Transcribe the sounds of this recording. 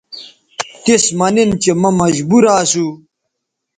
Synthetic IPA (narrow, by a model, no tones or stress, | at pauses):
t̪ismɐnint͡ɕemɐmɐʑbuɾaːsu